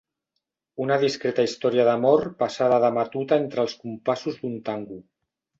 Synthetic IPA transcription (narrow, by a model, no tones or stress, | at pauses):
unaðiskɾet̪aist̪ɔɾjaðamɔɾpasaðəðamat̪ut̪aent̪ɾəlˠskumpasuzðunt̪aŋɡu